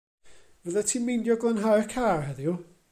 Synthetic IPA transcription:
v̥əðatʰiːmindjɔɡlˠənɦajrkʰaːrhɛðju

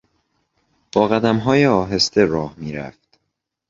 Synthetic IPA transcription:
b̥ɒːɣæd̪æmɦɒːjeɒːɦe̞st̪e̞ɾɒːhmiːɾæ̰ft̪

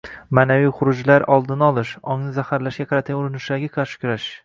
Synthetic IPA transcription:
maːnavijχʊɾʊd͡ʒlaɾɒlˠd̪ɪnɒlˠɪʃɒŋnɪzahaɾlaʃɡʲaqʰɑɾat̪ʰɡʲanʊɾɪnɪʃd̪aɡʲɪqʰɑɾʃɪ̥kʲʊɾaʃ

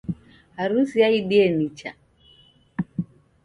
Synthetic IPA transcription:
haɾusiaiɗiɛnit͡ʃa̰

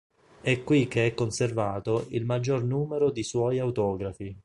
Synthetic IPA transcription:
ɛkːwikːeɛkːonservaːt̪oilmad͡ʒːornuːmeɾod̪iswɔjawt̪ɔːɡɾafi

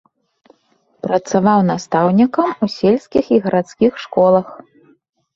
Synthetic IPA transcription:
pɾɐt̪savawnast̪awnʲikɐmusʲelʲsʲkʲixiɣɐɾat̪skʲixʂkɔlˠɐx

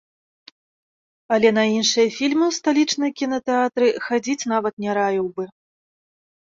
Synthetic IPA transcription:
ɐlʲɛnɐinʂɨjɐfʲilʲmɨwst̪alʲit͡ʂnɨjɐkʲinɐt̪ɛat̪ɾɨxad͡zʲit͡sʲn̪avɐt̪nʲɛɾavʲiwbɨ

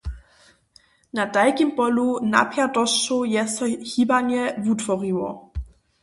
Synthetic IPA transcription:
nadajkimpɔluna̰pjadɔst͡ʃojɛsɔçiːbanjɛvutvɔʁiwɔ̰

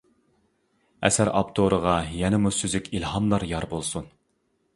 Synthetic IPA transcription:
ɛ̰sæɾɑ̰pt̪ʰoɾəʁɑjɛnɪmusyzykʲʰilˠhɑmlˠɑɾjɑɾbolˠsun

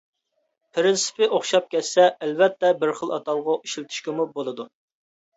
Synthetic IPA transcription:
pʰɾɪnsɪ̥pɪʔoχʃɑp̚kʲɛt̪sɛːlvɛt̪ːɛbɪɾχəlˠɑ̰t̪ɑlˠʁɑʔiʃilt̪ʰɪ̥ʃkʲɪmubolˠɨd̪u

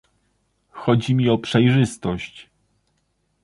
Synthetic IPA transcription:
xɔd͡ʑimʲiɔpʂɛjʐɘst̪ɔɕt͡ɕ

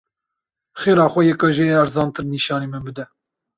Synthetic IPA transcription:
xeːɾɑːxʷɛjɛkɑʒeæɾzɑːnt̪ʰɨɾniːʃɑːneːmɨbɨd̪ɛ

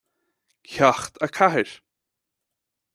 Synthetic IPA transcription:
çʰaxt̪ʰakʰaɦɪɾ̥

